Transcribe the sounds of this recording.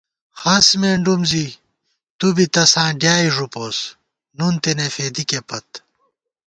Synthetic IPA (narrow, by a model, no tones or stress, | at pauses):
xɐsmeːɳɖumzi | t̪ubit̪ɐsãːɖjaːiʐupoːs | nunt̪enefeːd̪ikepɐt̪